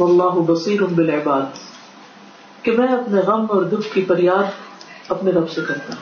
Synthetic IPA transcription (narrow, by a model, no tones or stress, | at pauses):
wɐlˤːaːɦʊbɐsiːɾʊnbɪlɪbaːd̪ | kemɛ̃ːɐpneɣɐmɔːɾd̪ʊbkifɐɾjaːd̪ɐpneɾɐbsekɐɾt̪aːɦ